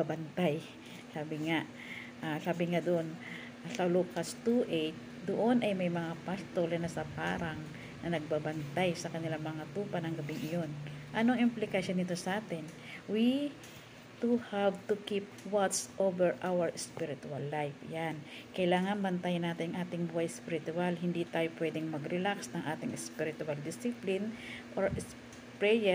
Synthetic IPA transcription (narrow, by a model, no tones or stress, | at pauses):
abɐnt̪aj | saːbɪŋaʔ | ʔasaːbɪŋad̪oʔon | sɐlokast̪uʔɛjt̪̚ | d̪oʔonʔɐjmɐjmɐŋapast̪olɐnɐsɐpa̰ːɾaŋ | nɐnɐɡ̚babɐnt̪ajsɐkɐnɪlamɐŋat̪uːpɐnɐŋɡɐbɪŋʔɪjo̞nʔɐnoʔɐŋʔɪmplɪkɐʃonːɪt̪o̞sɐʔaːt̪ɪn | wi | t̪uhavt̪ukip̚ | wat̪sʔovɛɹʔawɐɹspiɾɪt̪ʊalːajfjan | kɐʔɪlaːŋɐnbɐnt̪ajnaːt̪ɪnɐŋʔaːt̪ɪŋbuʔajspɪɾɪt̪ʊalhɪnd̪it̪aːjopwɛd̪ɪŋmɐɡɾɪlaksnɐŋʔaːt̪ɪŋɛspiɾɪt̪ʊald̪ɪsɪplɪnʔoɹs | pɹɛjɛ